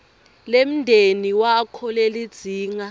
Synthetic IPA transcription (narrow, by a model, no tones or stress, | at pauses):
lem̩ndʱeniwakʰɔlelid̥z̥ʱiːŋa